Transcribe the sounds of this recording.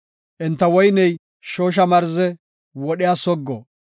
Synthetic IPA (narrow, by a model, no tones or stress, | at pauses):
ʔɛnt̪ːɐwɔjnɛj | ʃoːʃ̬ɐmɐɾzɛ | wɔɗɪjaːsɔɡːɔ